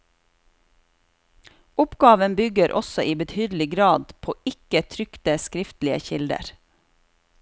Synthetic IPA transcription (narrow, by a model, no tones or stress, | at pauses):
ʊpɡɑːʋənbʏɡəɾʔɔ̰sɔʔiːbət̪ʰyːd̪l̩ɪɡɾɑːd̪pʰoːɪkət̪ʰɾʏkt̪əskɾɪft̪lɪə̰çɪld̪ə̰ɾ